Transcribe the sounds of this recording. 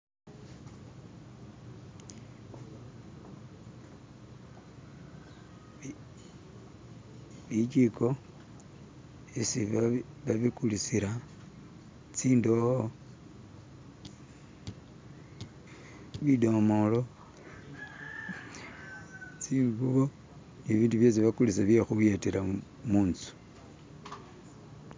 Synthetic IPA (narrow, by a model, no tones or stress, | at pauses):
βit͡ʃiko | esiβ | βaβikulisiɾa | t͡siːndoho | βido̞molo | t͡siːŋɡuβo | niβiːnduβjos̬iβakulisaβjexuwjeteɾa | muːnt͡su̥